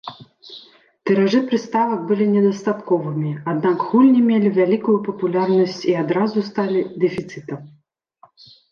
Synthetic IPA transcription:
t̪ɛɾaʐɨpɾɨst̪avɐk̚bɨlʲinʲɛd̪ɐst̪at̪kɔvɨmʲiad̪nakɣulʲnʲimʲelʲivʲalʲikujupɐpulʲarnɐsʲt͡sʲiad̪ɾazust̪alʲid̪ɛfʲit̪sɨt̪ɐm

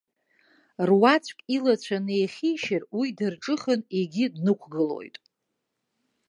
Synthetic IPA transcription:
rwat͡sʷʰʼkʲʼilat͡ɕʷʰanejχʲijʃɪrwiidɨrʈ͡ʂʼɨχəneɡʲidnɨkʷʰɡɨlo̞̰jtʼ

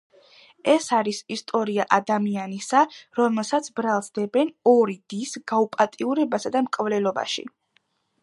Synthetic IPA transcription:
ɛsaɾisist̪ʼɔɾiaʔad̪amianisaɾɔmɛlˠsat̪sʰbɾalˠsd̪ɛbɛnɔɾid̪̥isɡaupʼat̪ʼiuɾɛbasad̪amkʼvlɛlˠɔba̰ʃḭ

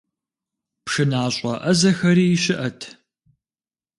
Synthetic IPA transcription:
pʂɨnaːɕʼɐʔɐzɐxɐɾiːjɪʃɪʔɐtʰ

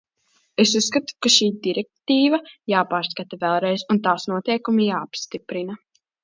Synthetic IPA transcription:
esusːkat̪u̥kaʃiːd̪iɾɛk̚t̪iːvɐjaːpaːɾskat̪avɛlˠɾɛjzunt̪aːsnuɔt̪ɛjkumijaːpst̪ipɾinɐ

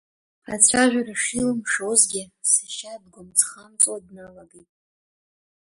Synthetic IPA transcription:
a̰t͡ɕʷʰaʒʷᶣaraʂilɨmʂozɡʲɪsaʃadɡʷʊmt͡sʰχamt͡sʼodnalaɡitʼ

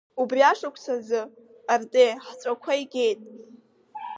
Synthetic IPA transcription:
ubriaʂakʷʰsʰazɨ | artʼeħt͡sʷʼakʷʰaiɡʲe̞jtʼ

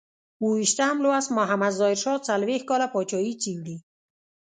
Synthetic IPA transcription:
uwiʃt̪amloasmɔɦamad̪zɔɪɾʃɔt͡salwehkɔlapɔt͡ʃɔit͡ʃiwli

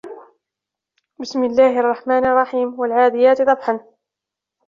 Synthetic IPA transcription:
bɪsmɪlːaːhɪʔɑrˤːɑħmaːnʔɑrˤːɑħiːmwalʕaːd̪ɪjaːt̪d̪ˤɑbħan

